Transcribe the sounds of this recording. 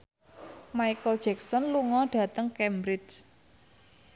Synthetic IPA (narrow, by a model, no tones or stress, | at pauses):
maijkəld̥d͡ʒ̥ɛksɔnluŋɔɖ̥ä̤t̪əŋkɛmbɾɪs